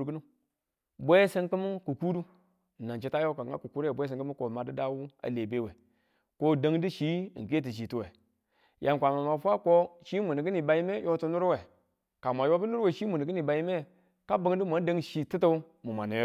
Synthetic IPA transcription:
kə˦nu˦ | bʷe˦sə˦nkə˦m˦ku˨ku˦du˦˨ | na˨nt͡ʃi˦ta˦jo˦ka˨a̰˦ku˨ku˦ɾbʷe˦s̬ə˨ŋkə˦mu˦ko˨ma˨di˦da˦wu˦a̰˨le˨be˦we˨ | ko˦da˦ŋdi˦ʃḭ˨˦˨ke˦t̬i˨ʃ̬i˨tu˦we˨ | jʔa˨n˨kʷa˨ma˨ma˨fʷa˦ko˦ʃi˦mu˨ni˨ɡi˦ni˨ba˨ji˦me˦jo˦tu˦nu˦ɾwe˨ | ka˨mʷ˨a˨jo˦bə˦nu˦ɾwe˨ʃi˦mu˨n˨ɡi˦ni˨ba˨ji˦me˦ | ka˦bə˦ŋ˦di˦mʷa˨˦də˦ŋʃi˨ti˦tə˦ | mu˨ma̰˨ne˨j

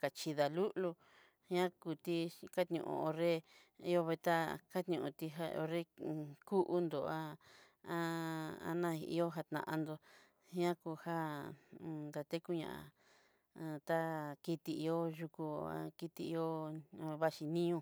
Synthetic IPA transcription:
ka˨t͡ʃi˧ða˨lu˦ʔlu˧ | ɲã˦ku˧t̪i˧ka˦t̪ɲṵ̃˧ʔṵ̃˧o˧ɾe˦ | i˧o˧βe˧t̪a˦ka˦t̪ɲũ˧ũ˧t̪i˧ɦa˧o̰˧ɾe˦ku˦ʔu˦nd̪o˨a˦ | a˦a̰˧nã˦˧ḭ˧˦o˦ɦa˧t̪nã̰˧˨ʔa̰˧nd̪o˧ | ɲã˦ku˧ha˦˨ | nd̪a˧t̪e˦ku˦ɲã̰˧˨a̰˨ | a˧t̪a˦ki˧t̪i˧i˧o˦ʒu˧ku˧a̰˧ki˧t̪i˧i˧o˦˧βa˦ʃi˧nĩ˦ũ˧

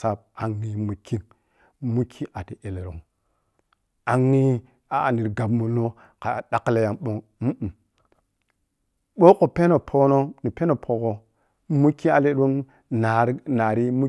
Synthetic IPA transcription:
sa˦b̚a˨ŋːi˦mu˨kʰːi˦n | mu˦kʰːi˦ʔa˨ti˨ʔe˨le˨ɾo˨ŋ | a˨ŋːi˦ | a˨a˨ni˨ɾɡa˨bmu˨no˦ | ka˨a˨ɗa˦kle˨ja˨mɓo˦ŋm̩˦˨ | ɓo˦ko˨pe˦no˨pʰo˦no˦ni˨pe˦no˨pʰo˨ɡo˨ | mu˦kːi˦a˨le˦ɗo˦n | na˨ɾna˨ɾi˦mu˦

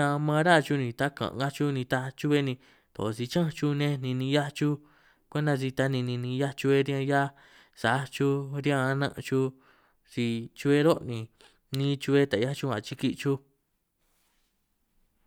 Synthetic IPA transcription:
ã˧mã˧˦ɾa˦˧t͡ʃu˧nĩ˧t̪a˦kã̰˨˧ɡa˦t͡ʃu˦nĩ˧t̪a˧t͡ʃu˦βe˦nĩ˧ | t̪o̰˨˧si˧t͡ʃã˦˧t͡ʃu˧nẽ˦nĩ˧nĩ˧ja˦t͡ʃu˦ | kʷe˦nã˧zi˧t̪a˧˦nĩ˧nĩ˧nĩ˧ja˦t͡ʃu˧e˧ɾjã˧ja˦ | sa˨˦t͡ʃu˦ɾjã˧nã̰˦ʔt͡ʃu˧ | si˧t͡ʃu˧e˦ɾo˦ʔnĩ˨˧ | nĩ˦t͡ʃu˧e˦t̪a˨ja˦t͡ʃu˧ã̰˨t͡ʃi˧ki˦˧t͡ʃu˦

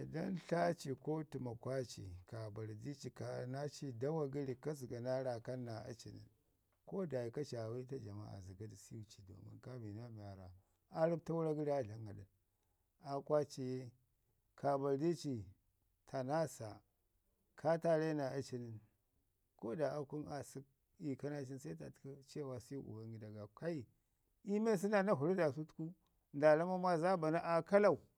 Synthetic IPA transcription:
da˦nɬa˦t͡ʃi˨ko˦tu˨ma˨kwa˦t͡ʃḭ˨ka˨ba˨ɾdi˦t͡ʃi˨ka˨na˦t͡ʃi˦da˦wa˦ɡi˦ɾi˨ka˦zi˨ɡa˨na˦ɾa˨ka˦nːa˨a̰˦t͡ʃḭ˨nḭ˨n | ko˦da˨ji˨ka˦t͡ʃa˨wi˦ta˦d͡ʒa˨ma̰˦a̰˨zi˨ɡa˦di˨si˦u˦t͡ʃi˨do̰˨mḭ˦nka˦bi˨na˦mi˨ja˨ɾa˨ | a˦ɾi˦b̚ta˦wu˦ɾa˦ɡi˦ɾi˦a˦ɬa˦ŋɡa˨ɗi˨n | a˦kwa˦t͡ʃi˨je˦ | kʰa˨ba˨di˦t͡ʃi˨ | tʰa˨na˦sa˨ | kʰa˦ta˦le˦na˨a˦t͡ʃi˦ni˨n | ko˦da˨a˦ku˦na˨si˦k̚ | i˨ka˦na˦t͡ʃi˦nsa˦i˦ta̰˨tku˦t͡ʃwa˨si˦ju˦ʔṵ˨ba˦ŋɡi˦da˨ɡa˨ka˦i˨ | i˦me˦s̬i˦na˦˨na˦ɦu˨ɾi˦da˨s̬u˦tku˦ | nda˨la˦ma˦ma˦za˦ba˨na˦ʔa˨ka˦la˦˨u˨

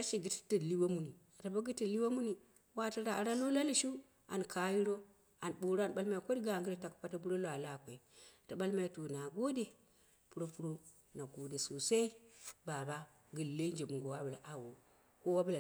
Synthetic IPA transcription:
a˦ʃi˨ɡi˦ttə˦˨li˦wa˦mu˦ni˨a˨ta˨ba˦ɡi˦ti˨li˦wa˦mu˦ni˨ | wa˦ta˦ɾa˨ɾa˦lo˦la˦li˦˨ʃu˦ | a˨nkʰa˨ji˦ɾo˦ | a˨nɓu˨ɾo˦a˨nɓa˦lma˦i˨ko˦dɡa˨ŋɡi˦ɾa˨ta˨kpa˦ta˦p̬u˦ɾo˦la˨la˨kʷe˨ta˨ɓa˦lma˨i˨tu˨na˨ɡo˦de˦˨ | pu˦ɾo˦pu˦ɾo˦ | na˨ɡo˨de˨so˨sa˦i˦ba˨ba˦ | ɡɨ˨le˦nd͡ʒe˨mu˨ŋɡo˨wa˦bu˨la˨ʔa˨wo˨ | ko˦wa˦bu˦la˨

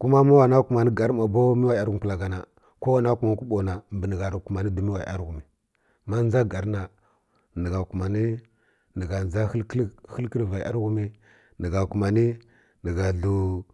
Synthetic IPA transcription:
ku˦ma˦ma˦wa˨na˦ku˨ma˨ni˦ɡa˨ɾma˨bo˦mi˦wa˨a˦ɾɣu˨m˨pu˨la˨ɡa˨na˨ | ko˦wa˦na˦ku˨ma˨n˦ku˦ɓo˨na˨mbi˨ni˨ɡa˨ɾku˨ma˨ni˦du˨mi˦wa˨i˨˦a̰˦ɾɣu˨mi˨ | ma˦n˦d͡ʒa˦ɡa˨ɾna˨ | ni˨ɡa˨ku˨ma˨ni˦ | nə˨ɡa˨nza˦lkxə˦lki˦lva˨ʔa̰˦ɾɣu˦mi˦ | nə˨ɡa˨ku˨ma˨ni˦ | nə˨ɡa˨ɮu˨

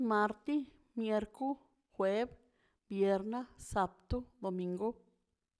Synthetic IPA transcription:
ma˧ɾt̪i˦ | mje˧ɾku˦ | xwe˦b | bje˨ɾna˦sa˧p̚t̪u˦d̪o˨mĩ˧ŋɡu˦

